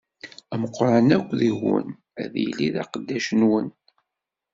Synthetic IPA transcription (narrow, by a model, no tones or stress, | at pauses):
æməqɾˤɑnækʷːðiɣə̰n | æðjlːiðɑ̰qəd̪ːæʃənwən